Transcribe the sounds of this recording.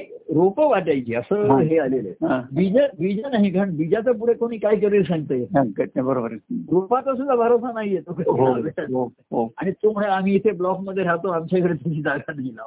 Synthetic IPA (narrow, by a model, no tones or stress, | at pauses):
iɾopəʋaʈajt͡ɕiːəsəːɦealeleɦãbid͡ʑəbid͡ʑənaɦikaɾəɳbid͡ʑat͡səp̬uɽ̤ekoɽ̃iːkaikəɾiːlsãŋɡt̪əjeakəʈnebəɾobəɾɾopat͡səs̬ud̪ʱːabʱaɾosanaɦijet̪okəɦabeao | ɦoaɽ̃it̪om̤əɭeam̤iːit̪ʰeblɔkməd̪ʱːjeɦat̪oamt͡ɕaikəɽet̪əiːd͡zaɡʱanɡila̰